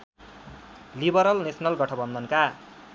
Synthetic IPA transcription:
libʌɾʌlnesʰʌnʌlɡʌʈʰʌbʌnd̪ʌnka

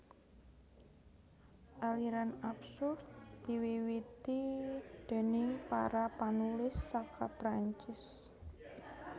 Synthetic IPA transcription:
ʔaliɾanapsʊrdt̪̚d̪̥i̤wiwit̪id̪̥e̤nipa̰ɾapanulɪsːakʰapɾaɲt͡ʃɪs

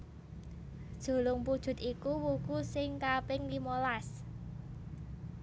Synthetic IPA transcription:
d̥ʒ̥o̤lʊŋpud̥ʒ̥ʊ̤t̪ikuwukusɪŋkapɪŋlimolas

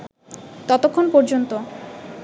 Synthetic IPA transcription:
t̪ɔt̪okʰːonpɔɾd͡ʑont̪o

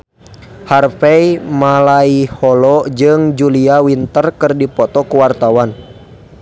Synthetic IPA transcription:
harfɛimalaihɔlɔd͡ʒɨŋd͡ʒuliawint̪ərkɨrdipɔt̪ɔkuwart̪awan

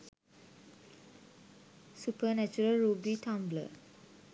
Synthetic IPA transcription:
supənæt͡ʃuɾəlɾuːbiʈʰãmblə̰

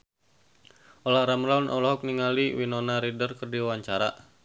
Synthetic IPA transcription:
ʔolahɾamɾaunʔɔ̰lɔɦɔk̚niŋaliwinonaɾidərkərdiawaɲt͡ʃaɾa

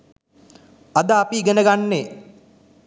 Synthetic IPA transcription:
ad̪aːpiɡenəɡanːe

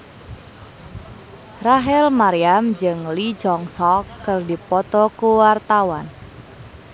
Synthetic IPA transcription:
raɦɛlmaɾiamd͡ʒɨŋlid͡ʒɔŋsɔkːərdipɔt̪ɔkuwart̪awan

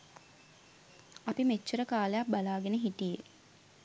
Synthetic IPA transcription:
apimet͡ʃːəɾəkaːlejak̚balaːɡenəɦiʈije

